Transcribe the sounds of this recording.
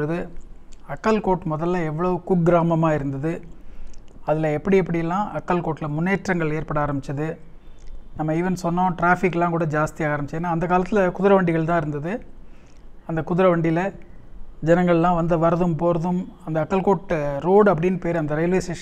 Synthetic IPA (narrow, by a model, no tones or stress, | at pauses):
ɾɐðɯɐkːɐlkoːʈmɔðɐlːɐɛʋːɐɭɐʋɯkʊk̚ɡɪɾaːmɐmaːɪɾɯnd̪ɐðɯ | ɐðɪlɐɛpːɐɽiɛp̬ːɐɽɪjɛlːãːʔɐkːɐlkoːʈːɪlɐmʊnːeːʈːɾɐŋɡɐɭeːɾpɐɽaːɾɐmbɪt͡ʃːɐðɯ | nɐmːɐiːʋɐnsɔnːõːʈɾaːfɪkːlãːkuːɽɐd͡ʒaːst̪ɪjaːɣaːɾɐmbɪt͡ʃːɐenːaːɐnd̪ɐkaːlɐt̪ːɪlɐkʊðɪɾɐʋɐɳɖɪɣɐɭt̪̬ãːɪɾɯnd̪ɐðɯ | ɐnd̪ɐkʊðɪɾɐʋɐɳɖɪlɐ | d͡ʒɛnɐŋɡɐɭlãːʋɐnd̪ɯʋɐɾɐðɯmpoːɾɐðɯmɐnd̪ɐɐkːɐlkoːʈɾoːɽɐp̬ːɐɽɪnpeːɾɐnd̪ɐɾɛɪlʋeːseː